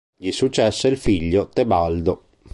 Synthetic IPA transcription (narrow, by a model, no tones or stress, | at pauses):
ʎisut͡ʃːɛsːeilfiʎːot̪ebald̪o